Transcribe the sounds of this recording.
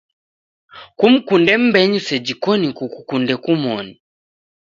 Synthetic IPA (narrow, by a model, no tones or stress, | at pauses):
kum̩kundɛm̩bɛɲusɛd͡ʒikɔnikukukundɛkumɔni